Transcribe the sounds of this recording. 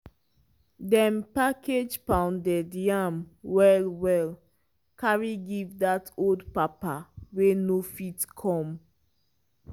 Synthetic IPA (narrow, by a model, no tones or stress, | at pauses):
dɛ̃mpakʰed͡ʒpãʊ̃ndɛdjamwɛlwɛl | kaɹiɡivdatoldpapawenofitkʰɔ̃m